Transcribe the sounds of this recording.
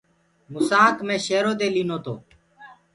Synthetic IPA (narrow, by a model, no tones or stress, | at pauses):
mʊsaːkmẽːʃeːɾoːd̪eːliːnoːt̪ʰo̰ː